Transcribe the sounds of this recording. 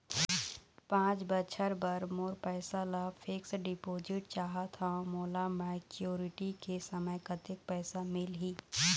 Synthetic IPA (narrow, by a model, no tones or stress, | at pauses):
pãːt͡ʃbət͡ʃʰəɾbɐɾmoːɾpɛːsalafʰɪksɖɪpoːd͡ʒɪʈ̚t͡ʃaːɦat̪ʰamoːlamɛkjoːɾɪʈikesəməjkɐt̪ek̚pɛːsamɪlɦiː